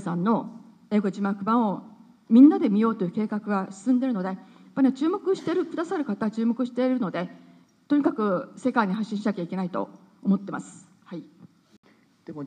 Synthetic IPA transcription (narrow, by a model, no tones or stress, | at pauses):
sãnːo̞ | e̞ːɡod͡ʑimaɯkɯ̟bãɰ̃o̞ | mʲĩnːad̪e̞mʲijo̞ːt̪o̞jɯ̟ke̞ːkakɯ̟ɡasɨ̥sɨ̃nd̪e̞ɾɯ̟no̞d̪e̞japːaɾʲiat͡ɕɨːmo̞kɯ̟ɕi̥t̪e̞ɾɯ̟kɯ̟d̪asaɾɯ̟kat̪at͡ɕɨːmo̞kɯ̟ɕi̥t̪e̞ɾɯ̟no̞d̪e̞ | t̪o̞ɲ̟ikakɯ̟se̞kaiɲ̟iɦaɕːĩɕinak̟ʲaike̞nait̪o̞̰ː | mo̞t̪ːe̞masɨ̥ | hai | d̥̪e